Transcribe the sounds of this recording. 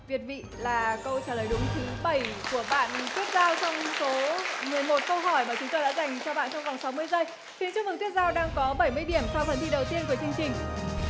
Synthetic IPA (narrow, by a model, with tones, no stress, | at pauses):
vi˨˩ət̚vḭ˧˨laː˨˩kə˧wt͡ɕaː˧˩ləː˨˩jɗʊ˨˦ŋ͡mt̪ʰɨ˨˦ɓə˧˩jku˧˩əɓa̰ː˧˨nt̪i˦˥ət̚zaː˧wt͡ɕɔ˧wŋ͡mso˨˦mɨ˨˩əjmo˨˩t̚kə˧wɦɔ˧˩jmaː˨˩t͡ɕʊ˨˦ŋ͡mt̪o˧jɗa̰ː˧˥za˨˩jŋ̟t͡ɕɔ˧ɓa̰ː˧˨nt͡ɕɔ˧wŋ͡mva˨˩wŋ͡msa˨˦wmɨ˧əjzəː˧j | xi˨˦nt͡ɕɨ˧˥ŋvɨ˨˩ŋt̪i˦˥t̚zaː˧wɗaː˧ŋkɔ˨˦ɓə˧˩jmɨ˧əjɗi˧˩əmsa˧wxə˨˩nt̪ḭ˧˨ɗə˨˩wt̪i˧ənvəː˨˦jt͡ɕɨ˧ŋ̟t͡ɕï˨˩ŋ̟